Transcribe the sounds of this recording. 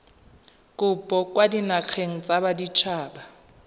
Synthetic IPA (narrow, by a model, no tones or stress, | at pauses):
kʼʊpʼɔkʼwadinak͡xʰeŋ̩t͡sʼabadit͡ʃʰaːba